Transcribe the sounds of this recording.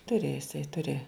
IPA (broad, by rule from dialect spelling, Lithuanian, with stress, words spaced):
ˈtʊrʲeː ɪˈsɐɪ ˈtʊrʲeː